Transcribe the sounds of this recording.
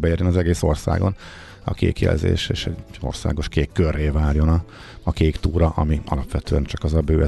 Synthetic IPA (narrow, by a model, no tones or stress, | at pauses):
bɛjeːrjonɒzɛɡeːso̞rsa̰ːɡo̞̰n | ɒ̰kḛːkjɛ̰lzḛːʃḛːʃɛɟo̞̰rsa̰ːɡo̞ʃkeːkːørːeːvaːrjo̞nɒ | ɒkeːkt̪uːɾɒʔɒmiɒlɒpʋɛt̪ʰøːɛnt͡ʃɒkɒzɒbøːɛ